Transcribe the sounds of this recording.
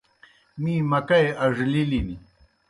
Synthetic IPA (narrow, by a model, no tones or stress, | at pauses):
mimakajaʐlɪlɪmɪ